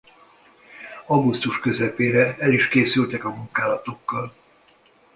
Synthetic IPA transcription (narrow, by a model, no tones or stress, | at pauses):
ɒɡust̪uʃkø̞zɛpeːɾɛɛliʃkeːsylt̪ɛkɒmuŋkaːlɒt̪o̞kːɒl